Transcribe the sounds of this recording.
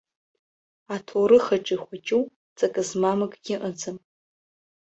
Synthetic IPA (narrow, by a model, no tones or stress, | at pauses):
atʰoɾɨχaʈ͡ʂʼiχʷat͡ʃʼuw | t͡sʼakʼɨzmamɨkʼɡʲɪʔəd͡zɨm